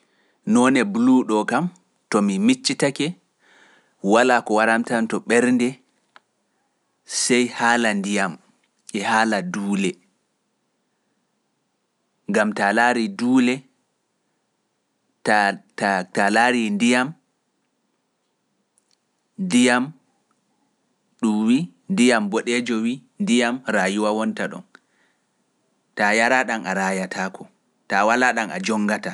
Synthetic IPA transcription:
nɔnɛbuluɗɔkam | tɔmimit͡ʃːitakɛ | walaːkɔwaɾamtantɔɓɛɾndɛ | sɛjhaːlandijam | ɛhaːladuːlɛ | ŋɡamtalaɾiduːlɛ | tatatalaːɾindijam | ndijam | ɗumwi | ndijambɔɗɛd͡ʒɔwindijamɾajuwawɔntaɗɔ̰n | tajaɾaɗanaɾajatʰaːkʰɔ | tawalaɗana̰d͡ʒɔŋːɡata

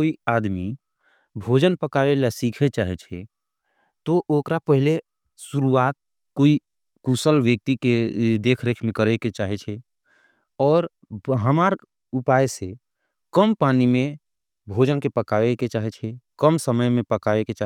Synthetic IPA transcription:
koiaːd̪mi | bʱoːd͡ʒənpəkaːelasiːkʰet͡ʃaːɦet͡ʃʰe | t̪oʔoːkɾapəɦɪle | suɾuaːt̪̚ | koːi | kuːsəlʋjək̚t̪iked̪eːkʰɾekʰmẽkəɾeket͡ʃaːɦet͡ʃʰe | ɔːɾ | ɦəmaːɾ | ʊpaːjse | kəmpaːnimẽ | bʱoːd͡ʒənkepəkaːeket͡ʃaːɦet͡ʃʰekəmsəməjmẽpəkaːeket͡ʃaː

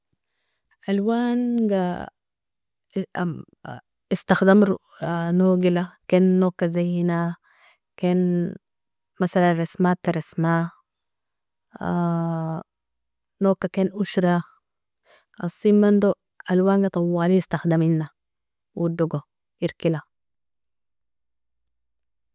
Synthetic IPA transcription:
ʔalwaːnɡa | ist̪axd̪am | noːɡilakeːnːoːkːazajːina | keːn | masalanrɑsmat̪aɾˤɑsma | noːkːakeːnʔuʃɾa | ʔɑsˤːimːand̪o | ʔalwaŋɡat̪ˤɑwːaːlist̪axd̪aminːa | wʔid̪uɡo | ʔiɾkila

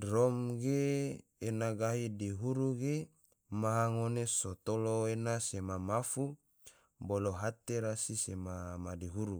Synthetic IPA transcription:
romɡeː | naɡaɦidiɦuɾuɡe | maɦaŋonesot̪oloenasemamafu | boloɦat̪eɾasisemamadiɦuɾu

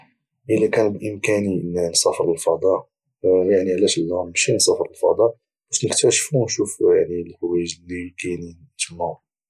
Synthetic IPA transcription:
ʔəlækænbʔəmkæninnsˤɑfɾˤəlfɑd̪ˤɑʔ | jaʕniʕlæʃəlːæmʃinsˤɑfɾˤəlfɑd̪ˤɑʔ | b̥æʃnəkt̪æʃfunʃufjaʕnilħʊwæjəʒlːikæjnn | t̪əmːæ

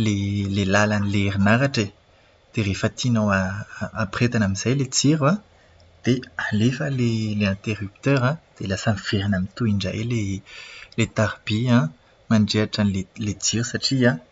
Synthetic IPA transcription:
lelelalanileerinaɾaʈ͡ʂe | d̪̥erefat̪ʰinawaːpret̪anamiz̥ajlet͡siɾwa | d̪̥ealefəleleɛ̃nt̪eʁyp̚t̪øɾãd̪̥elasaniv̥eɾinamint̪uiɳɖ͡ʐa̰ele | let̪aʁb̥iã | maɳɖ͡ʐeaʈ͡ʂanlelet͡siɾisaʈ͡ʂiã

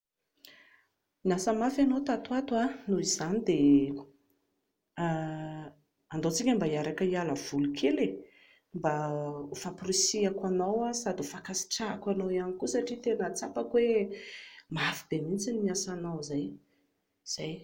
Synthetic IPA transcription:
iasəmafanot̪at̪uat̪anuiz̥anid̪e | and̪ot͡sikʲəmbaiaɾakəialəv̥ulukʰele | mbaufaprisiakwanawasad̪ufakasi̥ʈ͡ʂakwanowianikusaʈ͡ʂit̪enət͡sapakwe | maafibemint͡sinimiasanawzaj | z̥aj

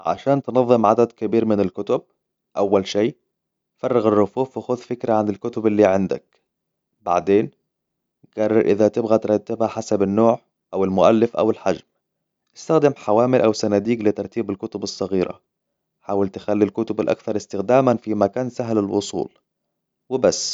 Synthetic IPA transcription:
ʕa̰ʃaːnt̪nɑðˤːɨmʕad̪ad̪kɪbiːɾmɪnɪlkʊt̪ʊb̚ | ʔawːalʃiː | fɑrˤːɑɣɪrˤːʊfuːfwɪxʊðfɪkɾaʕanɪlkʊt̪ʊbɪlːiːʕɪnd̪a̰k̚ | ba̰ʕd̪eːn | ɡ̥ɑrˤːɑɾʔɪðat̪ɪbɣat̪ɾˤɑt̪ːɪbhaħasabɪnːoːʕ | ʔawɪlmʊʔalːɪfʔa̰wɪlħad͡ʒm | ʔɪst̪axd̪ɪmħawaːmɪlʔawsanad̪iːɡlɪt̪ɑɾˤt̪iːbɪlkʊt̪ʊbɨsˤːɑɣiːɾʔa̰ | ħaːwɪlt̪ɪxalːilkʊt̪ʊbɪlʔa̰kθɑɾˤɪst̪ɪxd̪aːmanfimakaːnsaɦlɪlwʊ̰sˤṵːl | wɪbasː

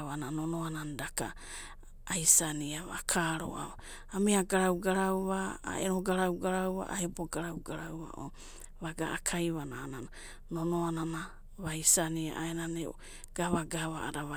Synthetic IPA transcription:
βananonoanandaka̰ | ajsaniaβa̰kʰaɾo̰ʔa̰βa | amiaɡaɾawɡaɾawβaa̰eɾoɡaɾawɡaɾawβa̰ʔaeboɡaɾawɡaɾawβa̰ʔo̰ | βaɡa̰ʔakʰajβanaːnana | nonoanana | βajsania̰ʔaenaneu | ɡ̥aβaɡaβa̰a̰ɾaβa

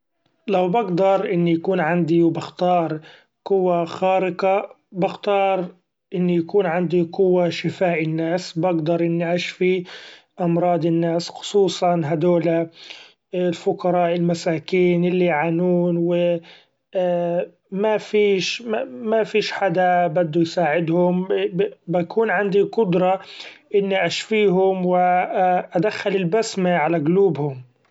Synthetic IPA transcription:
lawbaɡd̪ɑɾˤʔɪnːijakuːnʕand̪iwbɪxt̪ɑːɾˤ | qʊwːaxaːɾɪqa | bɪxt̪ɑːɾˤ | ʔɪnːijakuːnʕand̪iqʊwːaʃɪfaːʔɪnːaːsbaɡd̪ɑɾˤʔɪnːiʔaʃfi | ʔɑmɾˤɑːd̪ɪnːaːsxʊ̥sˤuːsˤɑnɦad̪oːla | lfʊqɑɾˤɑːʔɪlmasaːkiːnʔɪlːiʕanuːnwɪ | mafiːʃmafiːʃħad̪abad̪ːujsaːʕɪd̪hʊmbakʰuːnʕand̪iqʊd̪ɾˤɑʔɪnːiʔaʃfiːɦʊmwɪʔad̪axːalɪlbasmaʕalaɡʊluːbhʊm

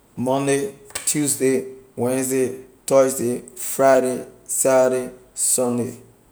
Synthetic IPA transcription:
mɔ̃ndetʰjusdewɛ̃nsdetɔsdefɾajɾesaɾesɔnde

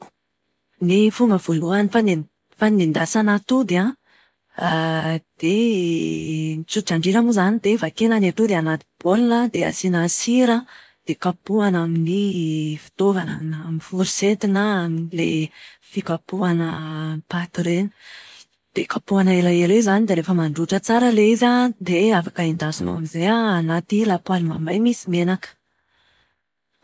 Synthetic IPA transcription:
nifuŋɡəv̥oluanifani | fanind̪asanat̪ud̪iã | d̪̥e | nit͡suʈ͡ʂaɳɖ͡ʐiɾamuzanid̪evakenanet̪ud̪ianat̪i̥b̥olnəd̪ea̰sinasiɾə | d̪̥ekapuanaminifi̥t̪ovananaminfuɾiset̪inəaminlḛ | fikapuanəpat̪uɾenə | d̪̥ekapuanaelaeɾezanid̪eɾefəmaɳɖ͡ʐuʈ͡ʂət͡saɾəleizad̪eafakaind̪azino̰a̰mizejaːnat̪ilapualimambajmisimenakə̥

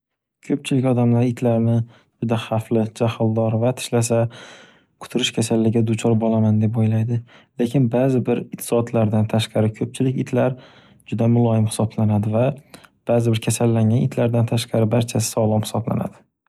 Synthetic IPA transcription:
kʲʰɵp̚t͡ʃʰɪlɪkʲɒd̪amlaɾɪt̪ʰlaɾnɪ | d͡ʒʊd̪aχaflɪd͡ʒahɪlˠd̪ɒɾvat̪ʰɪ̥ʃlas̬a | kʰʊ̥t̪ʰʊɾɪʃkʲʰasalːɪɡʲad̪ʊt͡ʃʰɒɾbolamand̪e̞pojlajd̪ɪlekʲʰɪnbaːzɪbɪɾɪqt̪ʰːɪ̥sɒːt̪ʰlaɾd̪ant̪ʰaʃqɑɾɪkʰɵp̚t͡ʃʰɪlɪkʲɪt̪ʰlaɾ | d͡ʒʊd̪amʊlˠɒjɪmhɪ̥sɒblanad̪ɪvab̥aːzɪbɪɾkʲʰasalːaŋɡʲanɪt̪ʰlaɾd̪ant̪ʰaʃqɑɾɪbaɾt͡ʃʰasɪ̥sɒlˠɒmhɪ̥sɒbla̰na̰d̪̥ɪ

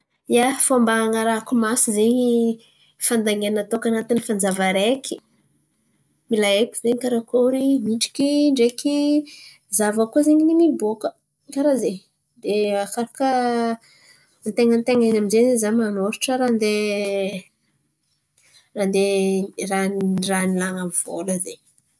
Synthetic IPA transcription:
jafambaŋaɾakumasizeɲi | fand̪aŋenət̪okanat̪inifand͡zavaɾekʲʰi̥ | milaeki̥zeɲkaɾakoɾimiɳʈ͡ʂi̥kiɳɖ͡ʐeki | zavəkuzeɲininibokə | ŋkaɾaze | d̪eakaɾakə | nt̪eŋənt̪eŋanaminzenezamanoɾiʈ͡ʂəɾand̪e | rand̪eranranilaŋav̥o̰ləzeɲ

